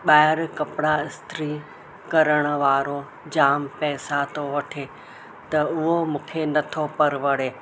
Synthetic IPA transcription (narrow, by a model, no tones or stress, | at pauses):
ɓaːɦɪɾkɐpɽaɪst̪ɾi | kɐɾəɽ̃ə̆ʋaːɾo | d͡ʑaːmpɛːsat̪oʋɐʈʰe | t̪ɐʊɦomʊ̃kʰenɐt̪ʰopɐɾʋɐɽeː